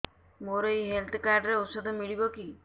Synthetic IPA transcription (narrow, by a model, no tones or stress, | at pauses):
moɾoiɦelt̪ʰkaɾɖɾeosɔd̪ʱɔmiɭibɔki